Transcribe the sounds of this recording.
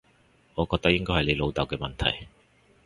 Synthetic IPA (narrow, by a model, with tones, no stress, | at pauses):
ŋɔː˨˧kɔː˧t̪ɐ˥k̚jɪ˥ŋkɔː˥jhɐ˨jle˨˧jlo˨˧wt̪ɐ˨˩wkɛː˧mɐ˨nt̪ʰɐ̰˨˩j